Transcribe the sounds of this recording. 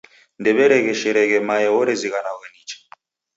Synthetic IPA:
ndɛβɛɾɛɣɛʃɛɾɛɣɛmajɛwɔɾɛziɣanaɣanit͡ʃḁ

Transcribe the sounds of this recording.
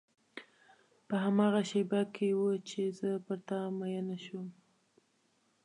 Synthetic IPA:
pəɦamɑɣaʃebakʰewət͡ʃezəpəɾt̪amajənaʃum

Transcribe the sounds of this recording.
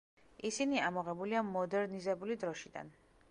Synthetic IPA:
isiniamɔʁɛbuliamɔd̪ɛɾnizɛbulid̪ɾɔʃid̪a̰n

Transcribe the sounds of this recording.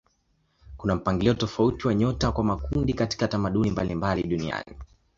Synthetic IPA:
kunam̩paŋɡiliɔtɔfautiwaɲɔtakwamakundikati̥katamaɗunimbalimbaliɗunia̰ni

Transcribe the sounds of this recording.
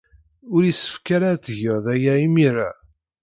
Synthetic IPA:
ʊɾisə̥fkaɾat͡s̪ːʝəʁðæjæimiɾa̰

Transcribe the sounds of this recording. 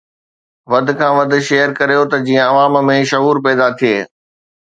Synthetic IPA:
ʋɐd̪ʱɪ̆kʰãːʋɐd̪̆ʱʃeːəɾkɐɾijot̪ɐd͡ʑĩːə̃ɐʋaːmmẽʃɐɦuːɾpɛːd̪at̪ʰieː

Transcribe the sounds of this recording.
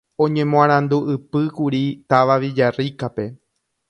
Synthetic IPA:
õ̞ɲẽ̞mõãɾ̃ãnd̪uʔɨpɨkuɾit̪aʋaʋid͡ʒarikape̞

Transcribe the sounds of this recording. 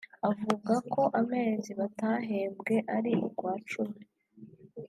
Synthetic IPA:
avuɡakʰo̞ʔame̞ːziβataɦe̞ːmbɡe̞ʔaɾiʔuɡwaːt͡ʃumi

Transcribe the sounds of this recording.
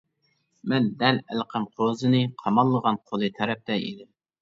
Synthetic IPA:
mɛnd̪ɛlælqʰəmqʰozɨnɨqʰɑmɑlˠːəʁɑnqʰolˠɨt̪ʰɛɾɛp̚t̪ɛḭd̪ɪm

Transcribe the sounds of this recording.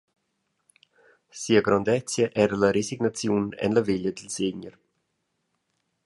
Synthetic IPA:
siːaɡɾand̪ɛt͡sjəʔɛɾalaɾesiɡnat͡sjunɛ̰nləveʎəd̪əlseɲəɾ

